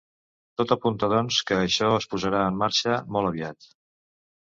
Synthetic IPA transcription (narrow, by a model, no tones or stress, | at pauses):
t̪ot̪əpunt̪əðɔnskəːʃɔəspuzəɾaəmːaɾʃəmɔlˠəβiat̪